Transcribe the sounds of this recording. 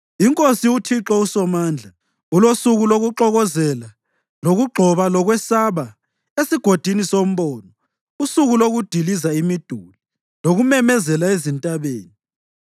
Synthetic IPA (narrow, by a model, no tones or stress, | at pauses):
iŋkʼosiutʰiǁɔusɔmaːnd͡ɮʱa | ulosuɣuloɣuǁɔɣɔzɛla | loɣuɡ͡ǃʱɔβalɔɣwɛsaβa | esiɡ̥ʱod̥ʱinisom̩βɔːnɔ | usuɣuloɣud̥ʱilizaimid̥ʱuli | loɣumɛmɛzɛlaezintʼaβeːni